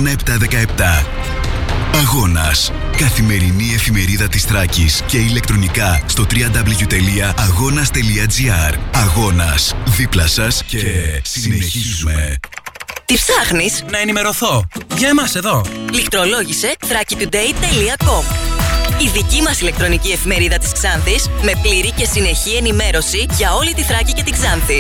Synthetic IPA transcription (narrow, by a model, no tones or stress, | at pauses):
nɐep̚t̪ɐðe̞kɐe̞p̚t̪ɐ | ɐɣo̞nɐs | kɐθime̞ɾinie̞fime̞ɾiðɐt̪isθɾɐcisce̞ile̞k̚t̪ɾo̞nikɐst̪ot̪ɾiɐnd̪ɐbliʝut̪e̞liɐɐɣo̞nɐst̪e̞liɐd͡ziɐɾɐɣo̞nɐsðiplɐsɐseessineizume | t̪ifθɐxnisnɐenime̞ɾo̞θo̞ʝɐemɐse̞ðo̞likt̪ɾo̞lo̞ʝise̞θɾɐcit̪ud̪e̞it̪e̞liɐko̞ | iðicimɐsile̞k̚t̪ɾo̞nicie̞fime̞ɾiðɐt̪i̥skz̥ɐnθisme̞pliɾice̞sine̞çie̞nime̞ɾo̞siʝɐo̞lit̪iθɾɐcice̞t̪iɡzɐnθi